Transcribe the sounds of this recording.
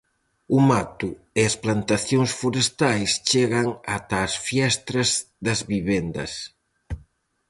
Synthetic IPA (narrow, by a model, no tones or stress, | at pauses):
umat̪u | eɐsplant̪aθjoŋsfuɾest̪ajst͡ʃeɣɐŋat̪aːsfjɛst̪ɾɐz | ðɐzβiβend̪ɐ̰s